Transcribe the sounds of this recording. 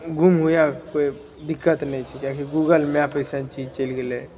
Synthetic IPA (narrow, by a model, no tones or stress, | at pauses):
ɡʱumɦujakoi | d̪ikːət̪nət͡ʃʰikjãkiɡuɡəlmapəsãnt͡ʃid͡ʒt͡ʃəlɡele